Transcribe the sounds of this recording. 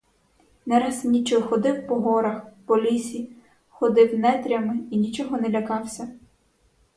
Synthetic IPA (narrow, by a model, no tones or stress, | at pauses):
nɛɾɑsnʲit͡ʃɔxɔd̪ɪwpɔɦɔɾɐxpɔlʲisʲi | xɔd̪ɪwnɛt̪ɾʲɐmɪinʲit͡ʃɔɦɔnɛlʲɐkɑwsʲɐ